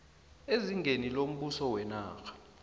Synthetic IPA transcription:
eziŋɡenilom̩ɓusɔwɛna̰ːkʰḁ

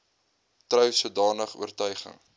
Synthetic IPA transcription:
trœwsuədɑːnəχṵərtœɥχə̰ŋ

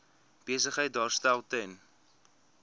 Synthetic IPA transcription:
b̥iəs̬əχəjt̚dɑːrstælˠtɛn

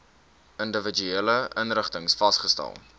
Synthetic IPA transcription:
əndəvəd͡ʒyeːləʔənɾəχtəŋsfɐstχəstæ̰lˠ

